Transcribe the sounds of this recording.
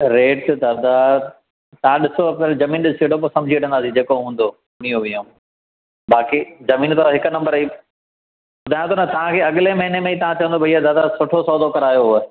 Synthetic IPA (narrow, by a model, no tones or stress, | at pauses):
ɾeːʈd̪aːd̪a | t̪ɐɦãɗɪsopɐɾzɐmĩːnɗɪsiːʈop̬oːsɐ̃md͡ʑʱiːɗɐ̃nd̪aːsid͡ʑeːkoɦũːn̆d̪o | nĩjõʋĩjõː | baːkizɐmiːnt̪ʰaɦɪkʊnɐ̃mbəɾi | pʊd̪ʱaːj̃t̪onɐt̪ɐʋ̤ãkʰeːɐɠɪlemɐɦɪnemẽit̪ɐʋ̤ãt͡ɕɐʋə̃nd̪obʱɐiːad̪aːd̪asʊʈʰosɔːd̪okɐɾaːjoɦʊə